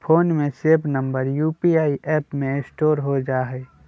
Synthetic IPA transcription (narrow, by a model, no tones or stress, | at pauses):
pʰoːnmẽseːbnə̃mbəɾjuːpiaːiʔɛːpmẽɪ̃sʈoːɾɦod͡ʒaːɦɛː